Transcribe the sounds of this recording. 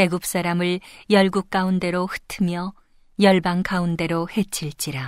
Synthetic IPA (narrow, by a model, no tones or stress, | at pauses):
e̞ɡup̚s͈aɾamɯɭjʌɭɡuk̚k͈aunde̞ɾohɯ̥tʰɯmjʌ | jʌɭbankaunde̞ɾohe̞t͡ɕʰiɭt͡ɕ͈iɾa